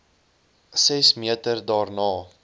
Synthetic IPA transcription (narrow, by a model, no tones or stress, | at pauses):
sɛsmiətərdɑːrnɑː